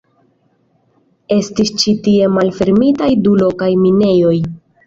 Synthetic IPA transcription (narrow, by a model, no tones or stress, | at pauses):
e̞stist͡ʃitie̞malfe̞ɾmitajdulo̞kajmine̞jo̞j